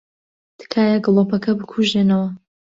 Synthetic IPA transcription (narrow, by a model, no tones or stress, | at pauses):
d̪̥ɨ̥kʰaːjaɡɨlˠopɐkʰɐbɨkʰuʒenɐwɐ